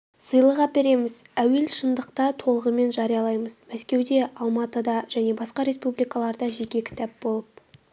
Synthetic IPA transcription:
səjlˠəʁɑpe̞ɾe̞mɪz̥æwe̞lʃənd̪əqt̪ɑt̪ʰo̞lˠəʁəme̞nʒɑɾijɑlˠɑjməz̥mæskʲe̞wd̪e̞ʔɑlˠmɑt̪əd̪ɑʒ̥æne̞bɑsqɑɾe̞spublijkɑlˠɑɾd̪ɑʒe̞kʲe̞kʲɪ̥t̪æp̚bo̞lˠəp̚

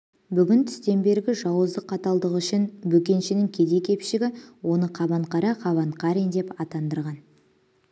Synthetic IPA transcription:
bʏɡʲɪnt̪ʰʏ̥st̪e̞mbe̞ɾɡʲɪʒɑwəzd̪əqʰːɑt̪ɑlˠd̪əʁʏʃɪnbɵkʲe̞nʃɪnɪŋkʲʰe̞d̪e̞kʲʰe̞pʃɪɡʲɪwo̞nəqʰɑbɑɴqɑɾɑqʰɑβɑɴqʰɑɾind̪e̞pɑt̪ɑnd̪əɾʁɑn

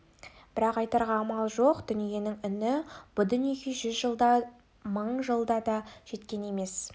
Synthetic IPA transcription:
b̥ɪɾɑqɑjt̪ɑɾʁɑːmɑlˠʒo̞qd̪̥ʏnije̞nɪŋʏnɪb̥ʊd̪ʏnjekʲʰeʒʏzʒəlˠd̪ɑ | məɴʒəlˠd̪ɑd̪ɑʒ̥e̞t̪kʲe̞ne̞me̞s

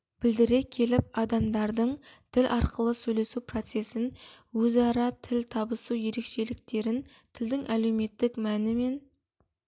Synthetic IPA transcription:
b̥ɪld̪ɪɾe̞kʲʰe̞lɪp̚ɑd̪ɑmd̪ɑɾd̪əɴt̪ʰɪlʔɑɾqəlˠəsɵjle̞supro̞t̪se̞sɪn | wɵzɑɾɑt̪ʰɪlt̪ʰɑbəsuwje̞ɾe̞kʃe̞lɪkt̪e̞ɾɪn | t̪ʰɪld̪ɪŋʔæle̞wme̞t̪ːɪkmænɪme̞n

